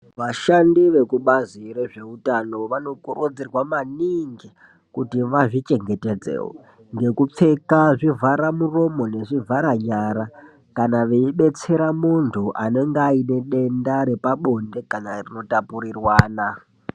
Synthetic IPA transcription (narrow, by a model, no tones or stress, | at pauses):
ʋaʃandiʋe̞kuɓazire̞ʐe̞utano̞ʋano̞kurʔud͡zirwamaniŋɡi | kutiʋaʐit͡ʃe̞ŋɡe̞ted͡zḛːwo̰ | ŋɡe̞kup͡fe̞kaʐivaɾamuro̞mo̞ne̞ʐivʱaɾaɲaːɾa | kanaʋeiɓe̞t͡se̞ɾamuntʰuʔane̞ŋɡaine̞ɗe̞ndaɾe̞paɓo̞nde̞kanarino̞tapuɾirwaːna